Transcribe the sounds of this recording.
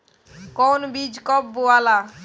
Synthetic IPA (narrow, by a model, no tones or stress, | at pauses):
kɔnbid͡ʑkɔbːoala